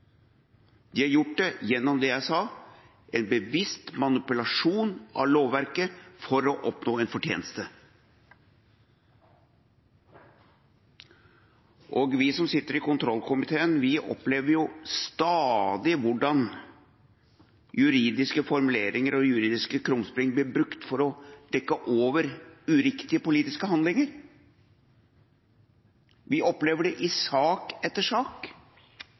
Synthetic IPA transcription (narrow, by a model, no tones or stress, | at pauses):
d̪ɪːhɑɾjʊʈ̚dɛjɛnːɔmd̪ɛjæɪsɑː | ʔɛnbəʋɪst̪mɑnɪpʉlɑʂuːnʔɑ̰loːʋʋæɾkəfɔɾɔʔɔpnoːɛnfɔʈʰjḛːnəst̪ə | ʔoːɡʋɪsɔmsɪt̪ːəɾɪkʊnt̪ʰɾɔlkʊmɪt̪ʰeːənʋɪʔɔ̰pleːʋəɾjʊst̪ɑːd̪ɪʋʊɖɑn | jʉɾiːd̪ɪskəfɔɾmʉleːɾɪŋəɾɔjʉɾiːd̪ɪskəkʰɾʊŋspɾɪŋblɪɾbɾʉkt̪fɔɾɔd̪̥ɛkːəʔoːʋəɾʉɾɪkt̪ɪəpʊliːt̪ɪskəɦɑnd̪lɪŋəɾ | ʋɪʔɔpleːʋəɖɛʔɪsɑːkɛt̪ːəʂɑːk